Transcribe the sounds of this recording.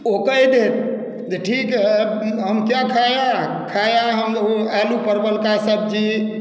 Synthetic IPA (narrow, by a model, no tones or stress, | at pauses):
okəjd̪et̪̚ | d͡ʒeʈʰikɦɛɦəmkjakʰaja | kʰajaɦəmoalupəɾbəlkasəb̚d͡ʒi